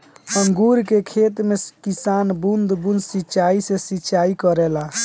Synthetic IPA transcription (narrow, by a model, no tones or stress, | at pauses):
əŋɡuɾkekʰet̪mekisanbund̪ʱbund̪sitːt͡ʃaisẽsitːt͡ʃaikəɾɛla